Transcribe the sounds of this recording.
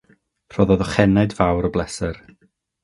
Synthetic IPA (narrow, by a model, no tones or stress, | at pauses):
r̥ɔðɔðɔχɛnadvawɾɔblˠɛsɛr